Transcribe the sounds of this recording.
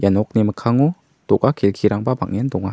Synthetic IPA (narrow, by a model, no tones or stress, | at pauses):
janɔk̚niməkʰaŋu | d̥ɔk̚akʰelkʰiɾaŋbaba̰k̚ŋendɔŋa